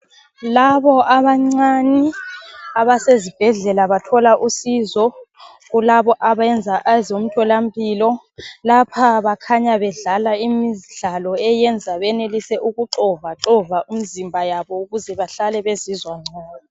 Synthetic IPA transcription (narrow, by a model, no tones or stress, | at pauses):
laβɔʔaβaŋ͡ǀani | aβasezib̥ʱɛɮɛlaβatʰɔlaʔusizɔ | ɣulaβɔʔaβaɛnd͡zʱaʔazom̩tʰɔlambʰʱʼiːlɔ | lapʰaβakʰaɲaβɛɮalaimiɮalɔɛjɛnd͡zʱaβɛnelisɛʔuɣuǃɔvaǁɔvaʔum̩zimbʱajaβɔuɣuzɛβaɬalɛβezizwaŋ͡ǀaːna